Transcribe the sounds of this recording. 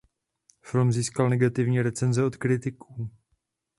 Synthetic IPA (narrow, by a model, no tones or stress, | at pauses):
fɪlmziːskalnɛɡat̪ɪvɲiːɾɛt͡sɛnzɛo̞t̪kɾɪt̪ɪkʰuː